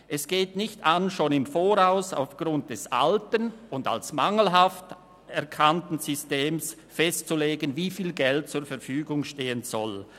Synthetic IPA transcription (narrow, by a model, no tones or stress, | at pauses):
ʔɛsɡ̥eːtnɪçtanʃoːnɪmfoːʁaʊsa̰ʊfɡ̥ʁʊnt̚d̥ɛsa̰ltənʊnda̰lsmaŋl̩ɦaft | ɛʁkʰantn̩zʏsteːms | fɛstt͡suleːɡənviːfiːlɡɛlt̚t͡suːɐɾfɛɐɾfyːɡʊŋʃteːənz̥ɔl